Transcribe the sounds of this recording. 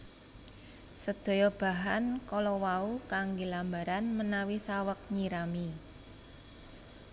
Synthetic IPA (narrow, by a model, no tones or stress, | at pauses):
səd̪̥o̤jɔb̥a̤ɦankɔlɔwaukaŋɡelambaɾanmənawisawək̚ɲiɾami